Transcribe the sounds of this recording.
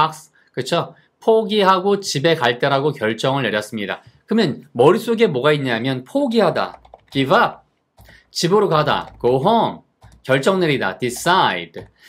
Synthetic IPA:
ak̚s | kɯt͡ɕʰo | pʰoɡiɦaɡot͡ɕibe̞kaɭt͈eɾaɡokjʌɭt͡ɕ͈ʌŋɯɭne̞ɾjʌs͈ɯmɲida̰kɯmjʌnmʌɾis͈oɡe̞mʌɡaiɲɲamjʌnpʰoɡiɦada̰kiba | t͡ɕibɯɾokada̰koɦʌm | kjʌɭt͡ɕ͈ʌŋneɾida̰tis͈aḭd

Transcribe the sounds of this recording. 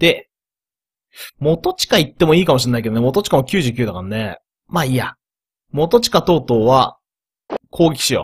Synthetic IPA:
d̪̥e̞ | mo̞t̪ot͡ɕi̥kait̪ːe̞mo̞iːkamoɕinːaiked̪oemot̪̬ot͡ɕi̥kamokʲɨ̟ːʑɨːkʲɨːd̪akanne | maːija | mo̞t̪o̞t͡ɕi̥kat̪o̞ːt̪o̞ːβa | kʰo̞ːɡʲekʲi̥ɕɨjo̰

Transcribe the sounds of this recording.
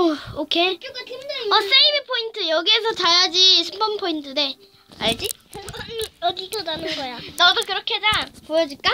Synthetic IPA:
ʌokʰeɡatidʌs͈eimepʰointʰɯjʌɡies̬ʰʌt͡ɕaɭad͡ʑisʰɯmbʌnpʰointʰɯne̞ | aɭd͡ʑi | njʌɡidonanɯnɡʌjanʌdokɯɾʌkʰed͡ʑapojʌd͡ʑik͈a

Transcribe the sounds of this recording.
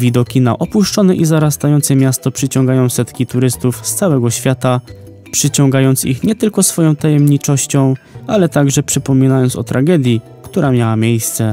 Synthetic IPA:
vʲid̪ɔkʲina̰ʔɔpuʂt͡ʂɔnɛʔizaɾast̪ajɔnt̪sɛmʲjast̪ɔpʂɘt͡ɕɔ̃ŋɡajɔ̃w̃sɛt̪kʲit̪uɾɘst̪ufst̪sawɛɡɔɕfʲjat̪a | pʂɘt͡ɕɔŋɡajɔnt̪sḭxɲɛt̪ɘlkɔsfɔjɔ̃w̃t̪ajɛmɲit͡ʂɔɕt͡ɕɔ̃w̃ | alɛt̪aɡʐɛpʂɘpɔmʲinajɔnt̪sɔ̰t̪ɾʔaɡɛd̪ʲji | kt̪uɾamʲjawamʲjejst̪sɛ

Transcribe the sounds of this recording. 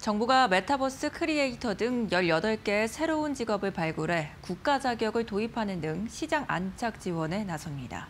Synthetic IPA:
t͡ɕʌŋbuɡame̞tʰabʌs͈ɯkʰɯɾieitʰʌdɯŋjʌʎjʌdʌɭk͈e̞ːsʰe̞ɾound͡ʑiɡʌbɯɭpaɭɡuɾɦe̞kuk̚k͈ad͡ʑaɡjʌɡɯɭtoipʰanɯndɯŋɕʰid͡ʑaŋa̰nt͡ɕʰak̚t͡ɕ͈iwʌne̞nasʰʌnɲida̰

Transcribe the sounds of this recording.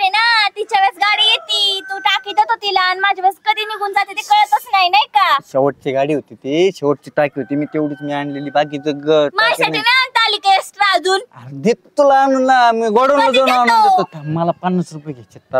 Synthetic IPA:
ɾenat̪it͡ɕaʋet͡sɡaɽiːjet̪iːt̪uʈakid̪ət̪ot̪ilaːnmad͡ʑʱaʋəskəd̪ʱiːniɡʱuːnd͡zat̪it̪ekəɭət̪ət͡snainajkaɕɛʋəʈ̚t͡ɕiɡaɽiːɦot̪it̪iɕɛʋəʈ̚t͡ɕiʈakiːɦot̪iːmiːt̪eʋɽiːt͡smianleliːbaɡiːd͡zəɡəmasaʈʰimaant̪alikeesʈɾad͡zuːnaɾd̪et̪t̪ulanunːamiɡoɽonlad͡zonanoet̪ot̪aməlapənːəsɾupjɡʱet͡ɕet̪ːa

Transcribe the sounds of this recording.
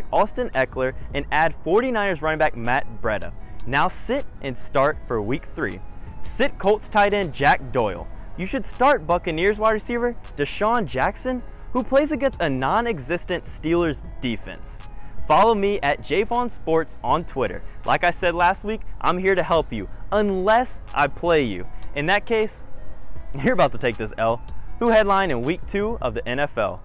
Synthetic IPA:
kɔstɨ̃nɛklə˞ʔɨ̃næd̥fɔɹɾinãɪnə˞zɹʌ̃ñɪ̃nbæk̚mæt̚b̥ɹɛ̰ɾɨ̰naʊsɪɾʔɨ̃nstɑɹtfə˞wik̚θɹḭsɪt̚kʰoʊlˠtstʰaɪɾɨ̃nd͡ʒæk̚d̥ɔɪlˠjɨʃɨd̥stɑɹt̚b̥ʌkɨnɪɹzwɑɪɾɹɨsivə˞d̥ɨʃɑ̃nd͡ʒæksɨ̃n | hupʰl̥eɪzɨɡɛ̃nstɨnɑ̃nɨɡzɪstɨ̃ntstilˠə˞z | difɛ̰̃ns | fɑlˠoʊmiʔɨt̚d̥ʒ̥eɪpɑ̃nspɔɹtsn̩tʰw̥ɪɾə̰˞lʔa̰ɪkaɪsɛdˡlæst̚wikʔã̰ɪ̃mhiɹɾɨhɛlˠpjɨ̰ə̃nlɛsʔa̰ɪpʰl̥eɪjʉ̰ɨ̃nðɨt̚kʰeɪs | hjə˞əbaʊtʰətʰeɪk̚ðɪsɛlˠhuhɛdˡlãɪ̃nɨ̃nwik̚tʰʉʌ̰vðiʔɛ̃ñɛfɛ̰lˠ

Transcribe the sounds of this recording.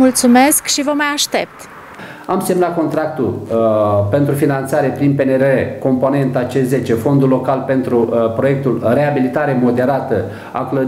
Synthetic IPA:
mult̪sumeskʃivəmajaʃt̪ep̚t̪ | amsemnat̪̚ko̞nt̪ɾak̚t̪ul | pe̞nt̪ɾufinant̪saɾepɾinpeneɾeko̞mpo̞ne̞nt̪at͡ʃeze̞t͡ʃe̞fo̞nd̪ulːo̞kalpe̞nt̪ɾupɾo̞je̞k̚t̪ulre̞abilit̪aɾe̞mo̞d̪e̞ɾat̪ə | a̰klə

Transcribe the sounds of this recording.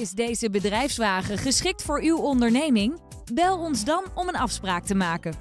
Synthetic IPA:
ɪzdejzəbədrɛjfsʋaːχəχəsχɪk̚tfʊːɹywɔndəɹnejmɪŋ | bɛlˠɔnzdɑnɔmənɑfspraːk̚təmaːkən

